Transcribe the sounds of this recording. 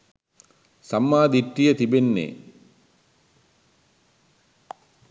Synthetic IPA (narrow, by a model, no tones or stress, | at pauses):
samːaːd̪iʈɾijət̪ibenːḛː